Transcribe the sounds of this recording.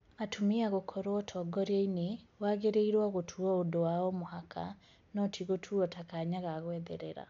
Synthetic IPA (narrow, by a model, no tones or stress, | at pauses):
atʰumiaɣokʰɔɾwɔtʰɔɡɔɾainewaːɣeɾeiɾwaɣotʰuɔodowaɔmohakʰa̰ | nɔtʰiɣotʰuɔtakaɲaɣaɣwɛːðɛɾɛɾa̰